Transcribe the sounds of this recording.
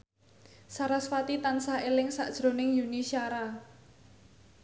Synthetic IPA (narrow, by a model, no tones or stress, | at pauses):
saɾasfat̪it̪ansaelɪŋsa̰ʔd̥ʒ̥ɾo̤nɪŋjunisiaɾa